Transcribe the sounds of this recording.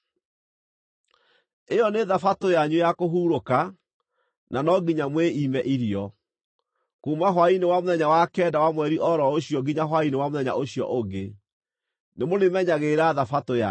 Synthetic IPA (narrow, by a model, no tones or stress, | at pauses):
ejɔneðafatojaɲujakoɦuːɾoka | nanɔɡiɲamweimɛʔiɾiɔ | kuːmaɦwainewamoðɛɲawakɛdawamwɛɾiʔɔɾɔoɕjɔɡiɲaɦwainewamoðɛɲa̰ʔoɕijɔ̰ʔoɡe | nemonemɛɲaɣeɾaðafatoja